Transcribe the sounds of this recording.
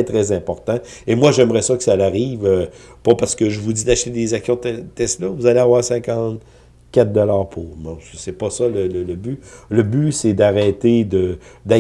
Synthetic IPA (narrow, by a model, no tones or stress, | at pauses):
ɛt̪ʁɛzɛ̃pɔʁt̪ɑ̃emwaʒɛmʁɛsɔkə̥salaʁiːvø | pɔpaʁsə̥kəʒəvudd͡zid̪aʃt̪ed̪ezaksjɔ̃t̪ɛst̪lɔvuzaleavwaːʁsɛ̃kɑ̃t̪ | kʲat̪̚d̪ɔlaːʁpʰomɔ̃səsɛpʌsʌlələləbyləbysɛd̪aʁɛt̪ed̪əd̪a